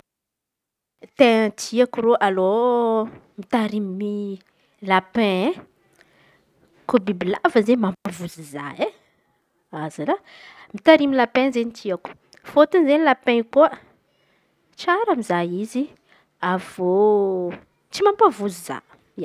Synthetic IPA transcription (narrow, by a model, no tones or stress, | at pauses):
t̪et̪ʰiakuɾoʔalo | mit̪aɾimi | lapɛ̃ | kobibilavəzemampavuziza̰e | azalamit̪aɾimilapɛ̃zent̪ʰiaku̥ | fot̪unzenilapɛ̃kuə | t͡ʃaɾamizajizi | avo | t͡ʃimampavuziza̰ | a